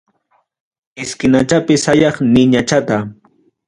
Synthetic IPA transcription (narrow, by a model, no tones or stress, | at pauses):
ɪskɪnat͡ʃapɪsajɑχnɪɲat͡ʃat̪a